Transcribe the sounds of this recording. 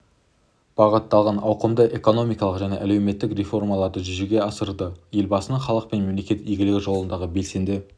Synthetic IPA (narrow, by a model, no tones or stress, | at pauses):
b̥ɑʁət̪ːɑlˠʁɑnɑwqəmd̪əʔe̞ko̞no̞mijkɑlˠəqʒæne̞ʔæle̞wme̞t̪ːɪkɾʲefo̞rmɑlˠɑɾd̪əʒʏʒeɡʲe̞ɑsəɾd̪əje̞lbɑsənəɴχɑlˠəq̚pe̞nme̞mle̞kʲe̞t̪iɡʲɪlɪɡʲɪʒo̞lˠənd̪ɑʁəbe̞lse̞nd̪ɪ